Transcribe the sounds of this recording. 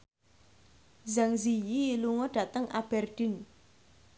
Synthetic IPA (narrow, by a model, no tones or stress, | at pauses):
zaŋzijiluŋɔɖ̥a̤t̪əŋʔab̥ɛrɖ̪̥ɪ̤n